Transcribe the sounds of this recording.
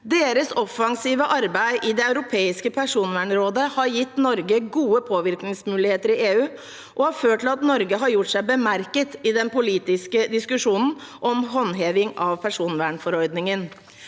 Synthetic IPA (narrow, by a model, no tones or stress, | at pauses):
d̪eːɾəsɔfːɑŋsiːʋəʔɑɾbæɪʔɪd̪ɛɑʉɾʊpʰeːɪskəpʰæʂuːnʋæːɳɾoːd̪əhɑɾjɪt̪ːnɔɾɡəɡuːəpʰoːʋɪɾknɪŋsmʉːlɪheːt̪əɾɪeːʉː | ʔɔhɑɾføːʈʈːɪlɑt̪nɔɾɡəɦɑɾjʊʈːsæɪbəmæɾkət̪ɪd̪ɛnpʊliːt̪ɪskəd̪ɪskʉʂuːnn̩ʔɔmɦɔnɦeːʋɪŋɑʋpʰæʂuːnʋæːɳfɔɾɔʏd̪nɪŋən